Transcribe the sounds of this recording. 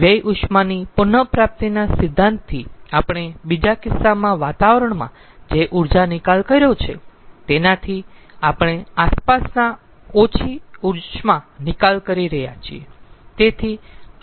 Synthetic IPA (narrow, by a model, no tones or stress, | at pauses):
ʋjəjʔʊʃmanipʊnəpɾap̚t̪inasɪd̪ʱːãnt̪t̪ʰːiapɽ̃ebid͡ʒakɪsːamãʋat̪aʋɾəɳmã̰ | d͡ʒeʔuɾd͡ʒanɪkalkəɾjot͡ʃʰet̪enat̪ʰiapɽ̃easpasna | ot͡ʃʰiuɾt͡ʃmãnɪkalkəɾiɾəɦja̰t͡ʃʰḭet̪et̪ʰi